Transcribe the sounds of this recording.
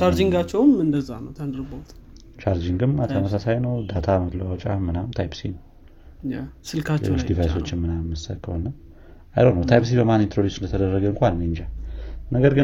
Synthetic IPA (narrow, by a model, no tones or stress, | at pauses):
t͡ʃaɾd͡ʒiŋɡat͡ʃːɛwmɨnd̪əza̰nəwt̪ʰənd̪ɨɾɨbawt̪ | t͡ʃʰaɾd͡ʒiŋɡɨmat̪ʰəməsasajnəwd̪at̪ʰamət̪ləwawt͡ʃʼa̰hmːɨnawmt̪ʰajpsinəw | jasɨlkʰalḛːlot͡ʃːd̪ivajso̞t͡ʃːɪnmɨnamːəsə̰t̪kʰəhonːə | a̰jlonəwt̪ʰajps̬ibəmanːint̪ɾod̪jusɨnd̪ət̪ʰəd̪ərːəɡəɨŋkʷalneɲd͡ʒanəɡəɾɡɨ